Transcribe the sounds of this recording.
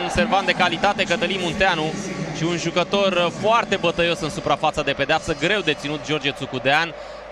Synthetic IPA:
se̞rvant̪d̪e̞kalit̪at̪e̞kət̪əlimunt̪eanuʃiunʒukət̪o̞rfoart̪e̞bət̪əjo̞sɨnsupɾafat̪sad̪e̞ped̪eapsəɡɾe̞wd̪e̞t̪sinut̪̚d͡ʒo̞rd͡ʒet̪sukud̪ean

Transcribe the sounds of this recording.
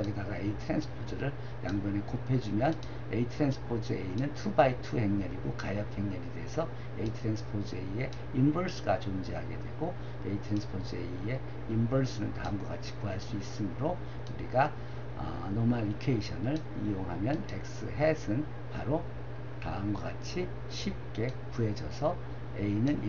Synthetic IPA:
ʌɡedaɡaeitʰɾensʰɯ̥pʰod͡ʑɯɾɯɭ | jaŋɡwʌnekopʰe̞d͡ʑumjʌn | eitʰɾensʰɯ̥pʰod͡ʑʰɯeinɯntʰubaitʰuhe̞ŋɲʌɾiɡokajʌp̚he̞ŋɲʌɾede̞ɦesʰʌ | ḛitʰɾensʰɯ̥pʰod͡ʑɯe̞ie̞ | imbʌɭsʰɯɡat͡ɕond͡ʑiɦa̰ɡe̞̰dwe̞̰ɡo | eitʰɯɾensʰɯ̥pʰod͡ʑɯe̞̰ie̞ | imbʌɭsʰɯnɯnka̰ɯmɡwaɡat͡ɕʰi̥kuɦaɭs͈uis͈ɯmɯɾo | uɾiɡa | ʌ̰ | nomaɾikʰeiɕʰʌnɯɭ | ijoŋɦamjʌnḛk̚s͈ɯɦe̞sʰɯn | paɾo | kaɯmɡwaɡat͡ɕʰi | ɕʰip̚k͈e̞ | puɦe̞d͡ʑʌsʰʌ | einɯn

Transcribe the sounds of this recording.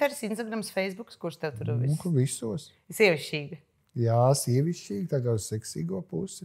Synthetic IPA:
ɛɾsinst̪aɡɾamsfɛjsbukskuɾst̪ɛwt̪uɾuinukuvisuɔs | sʲiɛʋiʃt͡ʃiːɡə | jaːsiɛʋʲiʃt͡ʃiːɡt̪aːkaːuz̥sɛksḭːɡuɔpusɪ

